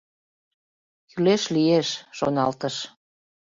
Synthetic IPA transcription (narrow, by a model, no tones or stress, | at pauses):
kyleʃlijeʃʃo̰nɑlt̪əʃ